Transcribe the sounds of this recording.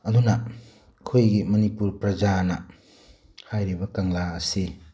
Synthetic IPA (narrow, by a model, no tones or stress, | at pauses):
ɐd̪unɐ | kʰojɡimɐnipuɾpɾɐd͡ʒanɐ | hajɾibɐkaŋlaɐsi